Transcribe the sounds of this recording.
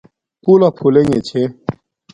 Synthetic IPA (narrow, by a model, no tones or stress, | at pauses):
pulapʰuleŋet͡ɕʰe